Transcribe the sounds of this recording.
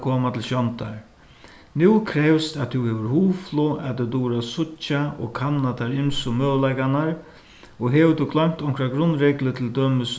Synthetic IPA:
kʰoːmat̪ʰɪlʃjɔnt̪aɹ | nuwkʰɾɛvst̪at̪ʰuhɛʋəɾhuːflʊat̪ɪt̪uːɾasʊt͡ʃːaɔ̰kʰanːat̪aɾɪmsʊmœːwlajkanaɹ | ɔɦɛʋət̪ʰʊkʰlœŋt̪ɔŋkʰɾaɡɾʊnːɾɛklət̪ʰɪld̪øːməs

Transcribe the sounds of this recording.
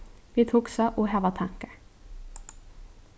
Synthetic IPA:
ʋiːt̪ʰuːksɑʔoːhæːʋɑt̪ʰɑŋkə

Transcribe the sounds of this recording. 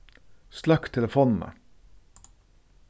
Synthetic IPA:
slɑkt̪ʰɛləfoːnn̩ə̰

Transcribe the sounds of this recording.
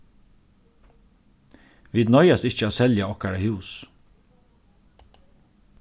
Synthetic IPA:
ʋiːd̪nɔʏɑst̪ɪc͡çəoːsɛljɑɔkæɖəhʉːs

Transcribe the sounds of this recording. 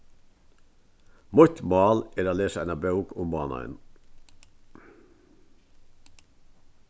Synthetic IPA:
mɔt̪mɑːleːɾoːleːsəænɑbɑʉkʊmbɑ̰ːnɑ̰ə̰n

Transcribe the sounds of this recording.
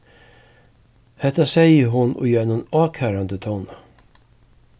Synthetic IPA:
hɛt̪ːasɛjəɦʊno̰ːjœːnunɑːkʰæːɾand̪ət̪ʰɔn

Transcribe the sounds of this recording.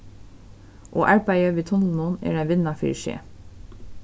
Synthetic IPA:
ʔoːʔæɹpɑɪəʋiːt̪ʰʊnl̩nunḛːɖæʋɪnɑfḭːɹʃḛː

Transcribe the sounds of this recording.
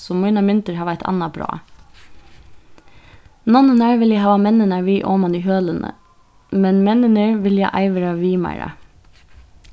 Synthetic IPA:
sɔmuɪnɑmɪnt̪əɹhɑːʋæɪt̪ʰɑ̰nɑbɾɑ̰ː | nɔnənæɹʋɪljæɪhɑːʋɑmɛnənəɹʋiːʔoːmɑniːɦøːlənə̰ | mɛnmɛnənəɹʋɪljæɪʔɑ̰ɪʋəɾɑʋiːmæ̰ɪɾɑ̰

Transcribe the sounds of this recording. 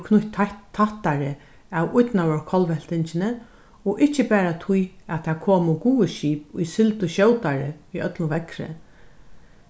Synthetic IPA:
kʰnʊt̪ʰːaht̪aɾɪ | awʊt̪nawɔɹkʰɔlʋɛl̥t̪ɪɲt͡ʃɪnə | ɔʔɪht͡ʃːɪpɛːɾat̪ʰʊjat̪ʰakʰoːmʊɡuːəʃiːpʊjsɪlt̪ʊʃɕɔwt̪aɾɪiœt̪lʊʋɛkɾɪ̰

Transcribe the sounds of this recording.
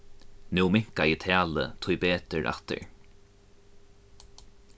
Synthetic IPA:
nuːmɪŋ̥kajɪt̪ʰæːlə̰t̪ʰʊjbeːt̪əɹʔa̰ht̪ə̰ɹ

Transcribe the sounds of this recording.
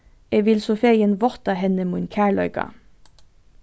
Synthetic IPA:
eːʋɪlsʊfeɪənʋɔʁt̪ɑhɛnəmuːnkʰæːɭœʏkɑ̰

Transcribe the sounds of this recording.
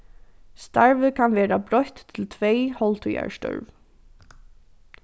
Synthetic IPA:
st̪aɹvɪkʰanʋɛːɾabɾɔht̪ʰːɪlt̪ʰvejhɔlt̪ʰuja̰ɹst̪œ̰ɹv

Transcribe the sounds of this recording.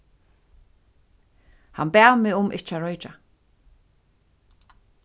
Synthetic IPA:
ha̰nbaːmɪʊmʔɪ̰t͡ʃaɹɔjt͡ʃa

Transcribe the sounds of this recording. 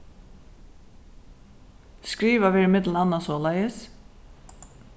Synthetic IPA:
skɹiːʋaʋɪːɾɪmɪt̪lən̩ɑnːasoːlæjəs

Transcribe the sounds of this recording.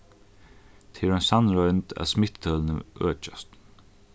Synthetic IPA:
t̪ʰeːɾɔnsanɹɔjnt̪æ̰ðsmɪt̪t̪ʰœːlnə̰ʔœ̰ːt͡ʃast̪

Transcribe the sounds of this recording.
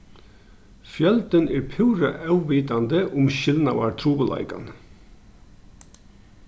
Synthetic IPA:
fjœlt̪ənɛɾpʰʉːɾə̰ʔɑʉʋiːt̪and̪əʔʊmɕɪlna̰waɾt̪ʰɾuːbəlɑ̰ɪka̰n

